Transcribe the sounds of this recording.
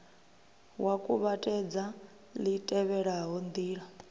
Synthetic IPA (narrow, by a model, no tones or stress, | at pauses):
wakʼuβatʼɛd͡za | litʼɛβɛɺaɦɔnd̪iːɺa